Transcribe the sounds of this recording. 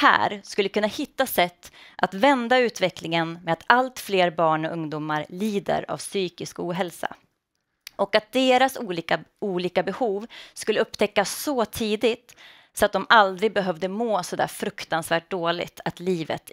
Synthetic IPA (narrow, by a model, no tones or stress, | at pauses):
hæ̰ːɾskɵlːəkʰɵnːahɪt̪ːasɛt̪ːʔat̪vɛnd̪aʉ̟ːt̪vɛklɪŋənmɛat̪alt̪fleːɾbɑːɳɔʔɵŋd̪uːmaɾliːd̪ə̰ɾa̰vsyːkɪskuːɦɛlsa̰ | ʔɔkat̪̚d̪eːɾasuːliːkauːliːkabɛhuːvskɵlːəɵpːt̪ʰɛkːasːɔt̪ʰiːd̪ɪt̪ | sɔat̪̚d̪ɔmald̪ɾɪɡ̚bɛɦœvd̪əmoːsɔd̪æ̰ːɾfɾɵkt̪ansvæːʈ̚d̪oːlɪ̰t̪ʰat̪liːvə̰t̪